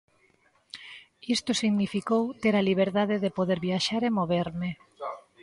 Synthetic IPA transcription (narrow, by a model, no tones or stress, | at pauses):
ist̪ʊsiɣnifikowt̪eɾaliβ̞eɾðaðeðepoðeɾβjaʃaɾemoβeɾmɪ